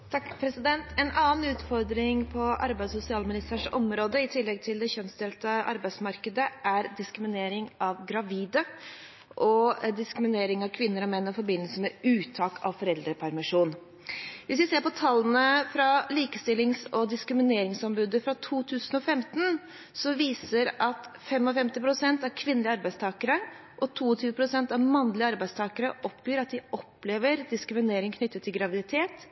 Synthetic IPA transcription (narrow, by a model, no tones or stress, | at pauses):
t̪ʰɑkpʰɾɛsɪd̪ɛnt̪ʰɛnʔɑːn̩ʉːt̪fɔɾd̪ɾɪŋpʰɔʔɑ̰ɾbæɪd̪sʊsɪɑːlmɪnɪst̪æːʂɔmɾoːd̪əɪt̪ʰɪlːɛɡ̚t̪ʰɪld̪ɛçœnsd̪ɛːlt̪əʔɑ̰ɾbæɪsmɑɾkəd̪əʔæɾd̪ɪskɾɪmɪneːɾɪŋɑʋɡɾɑʋiːd̪ə | ʔɔd̪ɪskɾɪmɪneːɾɪŋɑʋkʰʋɪnːəɾɔmɛnːɔfɔɾbɪnːəlsəmɛʉːt̪ʰɑːkʰɑ̰ʋfɔɾɛld̪ɾəpʰæɾmɪʂuːn | ʋɪsʋɪseːɾpɔt̪ʰɑlːənəfɾɑliːkəst̪ɪlːɪŋsɔd̪ɪskɾɪmɪneːɾɪŋsɔmbʉːd̪əfɾɑt̪ʰuːt̪ʰʉːsən̩ɔfɛmt̪n̩ | sɔʋiːsəɾɑt̪fɛmɔfɛmt̪ɪpʰɾʊsɛnt̪æɾkʰʋɪnːəlɪəɑɾbæɪst̪ʰɑːkəɾə | ʔɔt̪ʰuːɔt̪ʰyːʋəpʰɾʊsɛnt̪ɑʋmɑnːlɪəɑɾbæɪst̪ʰɑːkəɾəʔɔpjyːɾɑt̪̚d̪ɪɔpːleːʋəɾd̪ɪskɾɪmɪneːɾɪŋkʰnʏt̪ːət̪ʰːɪlɡɾɑʋɪd̪ɪt̪ʰeːt̪